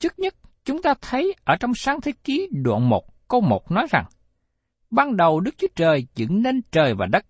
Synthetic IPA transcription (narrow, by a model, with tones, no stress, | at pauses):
t͡ɕɨ˦˥k̚ɲə˦˥t̚ | t͡ɕʊ˨˦ŋ͡mt̪aː˧t̪ʰə˨˦jʔəː˧˩t͡ɕɔ˧wŋ͡msaː˨˦ŋt̪ʰe˨˦ki˨˦ɗwa̰˧˨nmo˨˩t̚kə˧wmo˨˩t̚nɔ˨˦jza̰˨˩ŋ | ɓaː˧nɗə˨˩wɗɨ˦˥k̚t͡ɕu˨˦ət͡ɕəː˨˩jt͡ɕɨ̰˧˥ŋne˧nt͡ɕəː˨˩jvaː˨˩ɗə˦˥t̚